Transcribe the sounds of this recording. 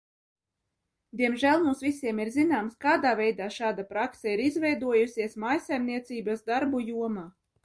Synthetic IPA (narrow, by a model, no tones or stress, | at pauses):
d̪ʲiɛmʒælˠmuːsvisiɛmiɾzinaːmskaːd̪aːvɛjd̪aːʃaːd̪apɾaksɛiɾizvɛjd̪uɔjusʲiɛsmajsajmniɛt̪siːbasd̪aɾbujuɔmaː